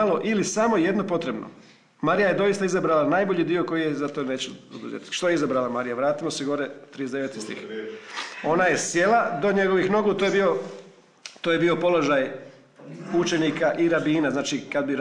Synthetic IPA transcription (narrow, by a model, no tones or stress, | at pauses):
alˠo̞ʔilisamo̞jed̪nopo̞t̪ɾe̞bno̰ | maɾijaje̞d̪o̞jist̪aizabɾalanaːjbo̞ʎid̪io̞ko̞jijezat̪one̞ːt͡ɕɛo̰d̪uzḛt̪i̥t̪ʃt̪o̞jeizabɾalˠamaɾijaʋɾaːt̪imo̞seɡo̞ɾet̪ɾiezd̪eʋe̞t̪i̥st̪ḭx | o̞naje̞sje̞lˠad̪o̞ɲe̞ɡo̞ʋixno̞ɡut̪ojbio̞ | t̪oje̞bio̞po̞lo̞ʒaj | ut͡ʃe̞nikaʔiɾabiːnaznaːt͡ʃikad̪biɾ